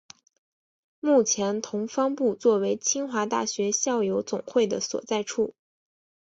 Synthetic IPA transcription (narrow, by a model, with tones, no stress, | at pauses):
mu˥˩t͡ɕʰjɛ˧˥nt̪ʰʊ˧˥ŋfɑ˥ŋpu˥˧t͡swɔ˥˩we˧˥ɪt͡ɕʰi˥ŋxwa˧˥t̪a̰˥˩ɕɥɛ˧˥ɕjɑ˥˩ʊjo˧˥ʊt͡sʊ˨˩ŋxwe˥˩ɪd̪ə̰˩swɔ̰˨˩t͡sa˥˧ɪʈ͡ʂʰu˥˩